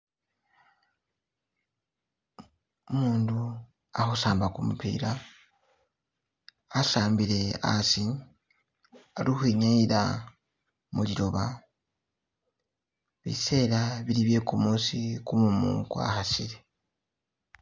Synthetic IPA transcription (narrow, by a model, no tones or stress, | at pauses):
umuːndu | ahusaːmbakumupḭːɾa | saːmbiɾe̞a̰si | alihwiɲaiɾa̰ | muliɾo̞βa̰ | βḭse̞ːɾaβiɾiβje̞kumuːsikumumṵkwa̰hasiɾe